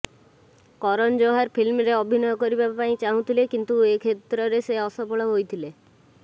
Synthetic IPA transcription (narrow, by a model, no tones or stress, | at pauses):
kɔɾɔnd͡ʒoɦaɾpʰilmɾeɔbʱinɔjɔkɔɾibapaĩt͡ʃaɦũt̪ʰilekint̪uekʰet̪ɾɔɾeseɔsɔpɔɭɔɦojt̪ʰile